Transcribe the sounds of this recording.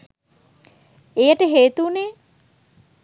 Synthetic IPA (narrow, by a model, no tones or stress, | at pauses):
ejəʈəɦeːt̪uːneː